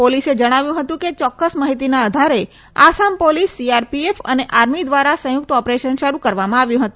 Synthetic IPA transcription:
polised͡ʒəɽ̃aʋjũɦət̪ũket͡ʃɔkːəsmaɦit̪̬inaəd̪ʱaɾe | a̰sampolisːiaɾpiefə̰neʔaɾmid̪ʋaɾasə̃jʊk̚t̪ɔpɾeʃənʃəɾukəɾʋamãaʋjũɦət̪ũ

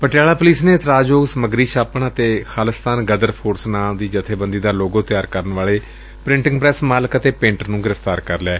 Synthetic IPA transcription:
pəʈɪjaːlaːpʊliːsneːt̪ɾaːd͡ʒoːɡsəməɡɾiːʃaːpəɳət̪eːkʰaːləst̪aːnɡəd̪əɾpʰoːɾsnaːmd̪iːd͡ʒət̪ʰeːbənd̪iːd̪aːloːɡõːt̪ɪjaːɾkəɾənʋaːleː | pɾɪ̃ɳʈɪŋɡpɾɛːsmaːləkət̪eːpẽːɳʈəɾnũːɡɪɾəfʰt̪aːɾkəɾlɛː

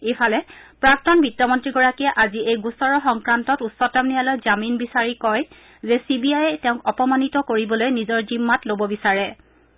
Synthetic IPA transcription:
efʰalɛpɹak̚tɔnbitːɔmɔntɹiɡɔɹakiɛʔaziejɡusɔɹɔxɔŋkɹantɔtusːɔtamnijalojzaminbisaɹikɔj | zɛsibiajɛtɛʊ̃kɔpɔmanitɔkoɹibɔlojnizɔɹzimːatlobɔbisaɹɛ

